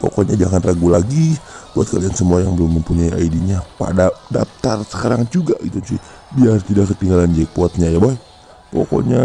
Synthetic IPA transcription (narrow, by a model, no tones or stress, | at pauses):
po̰kɔɲad͡ʒaŋanraɡulaɡibuat̪̚kaliansəmuajaŋbəlʊmːəmpuɲaia̰idiɲapa̰dadap̚t̪arsə̥kaɾaŋd͡ʒuɡaɡit̪ut͡ʃi | biart̪idakːət̪iŋɡaland͡ʒɛk̚puat̪̚ɲajabaɛ | po̰ko̰ɲa